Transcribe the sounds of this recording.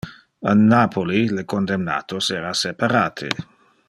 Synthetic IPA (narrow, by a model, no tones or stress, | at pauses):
anːaːpʰolilekond̪emna̰ːt̪osɛːɾasepaɾaːt̪ʰḛ